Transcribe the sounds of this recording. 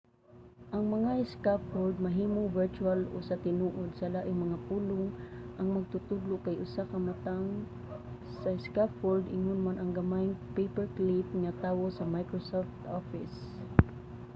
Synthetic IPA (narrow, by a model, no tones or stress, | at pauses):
ʔɐŋmɐŋaɪskapfold̪̚mɐɦiːmoŋvɛɹt͡ʃualo̰sat̪ɪnuʔod̪sɐlaːʔɪŋmɐŋapuːlʊŋʔaŋmɐɡ̚t̪ʊt̪ʊd̪lʊʔkajʔʊsakɐmat̪aŋ | saɪskapfoɹd̪ɪŋʊnmanɐŋɡamajŋpejpɛɹklipŋat̪awosɐmajkɹosoft̪ofɪs